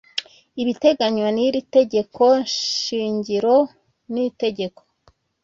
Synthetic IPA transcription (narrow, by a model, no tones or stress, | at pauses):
iβite̞ɡaɲwaniɾite̞ɟe̞ko̞ɲiːɲɟiɾo̞ | nite̞ɟe̞ko